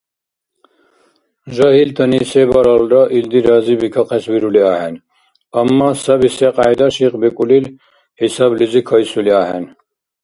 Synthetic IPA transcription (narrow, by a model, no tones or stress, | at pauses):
ʒɐɦilt̪ʰɐniːsebɐɾɑlɾɐʔild̪iɾɑːzibikʰɐqesbiɾuliaːhen | ɐmːaːsɐbiseqajd̪ɐʃiqbikʼulil | hisɑblizikʰɐjsuliaːɦen